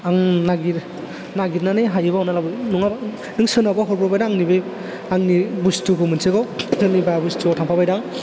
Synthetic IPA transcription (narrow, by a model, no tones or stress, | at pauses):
aŋnaɡiɾ | naɡiɾnaneɦajɯbawnalabɯnuŋa | nɯŋsɯnabaɦɔɾpɾɔbajdaaŋnibe | aŋnibustukɯmɯnseɡɔɯnibajabustuɔtʰampʰabajdaŋ